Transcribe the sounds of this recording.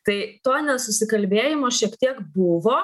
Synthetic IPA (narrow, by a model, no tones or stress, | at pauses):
t̪ɐɪt̪oːnʲɛsʊsʲɪkɐlʲbʲeːjɪmoːʃʲiɛkt̪ʲiɛkbʊʋoː